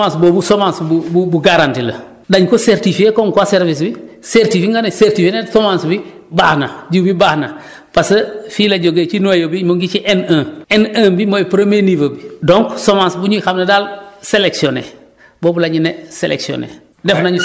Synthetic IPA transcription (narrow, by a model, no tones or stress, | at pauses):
ansboːbusomãnsbububuɡaɾantilɐ̰ | daɲkoseɾtifiekoŋkwaseɾvis̬biseɾtifiŋɡaneseɾtifenesomãnsbi | baːhnaɟubibaːhna | pasəfilaɟoɡet͡ʃinojobimoŋɡit͡ʃiʔenãːenãːbimojpɾemenivobidoŋksomãnsbuɲuixamnadaːlseleksionḛ | boːbulaɲinesḛlʔḛksio̰nḛ | defnaɲ